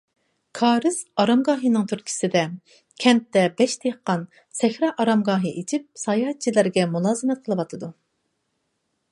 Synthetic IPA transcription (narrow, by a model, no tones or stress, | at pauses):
kʰɑːɾɨsɑɾɑmɡɑːɦɨnɨŋt̪ʰyɾkʲʰi̥sɪd̪ɛ | kʲʰɛm̚t̪ːɛbɛʃt̪ʰeqːɑn | sɛxɾɑʔɑɾɑmɡɑːɦɨʔet͡ʃʰip̚sɑjɑt͡ʃʰilæɾɡʲɛmulˠɑːzɨmɛt̪̚qʰəlˠɨwɑt̪ʰɨd̪u